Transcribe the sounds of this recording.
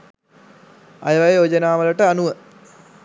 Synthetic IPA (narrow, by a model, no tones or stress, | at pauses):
a̰jəʋajjoːd͡ʑənaːʋɐləʈəanuʋə